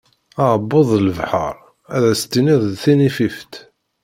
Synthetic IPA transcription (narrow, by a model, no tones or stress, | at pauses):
ɑʕbːoðˤləvħə̰ɾˤ | æðæst̪ːiniðˤθinifift̪